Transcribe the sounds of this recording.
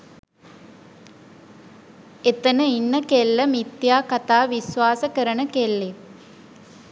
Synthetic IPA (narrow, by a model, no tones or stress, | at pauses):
et̪ənəinːəkelːəmit̪jaːkat̪aːʋisʋaːsəkəɾənəkelːe